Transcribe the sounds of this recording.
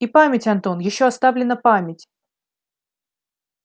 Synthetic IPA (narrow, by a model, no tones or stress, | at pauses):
ipamʲɪtʲɐnt̪o̞njɪɕːoɐst̪avlʲɪnːəpamʲɪtʲ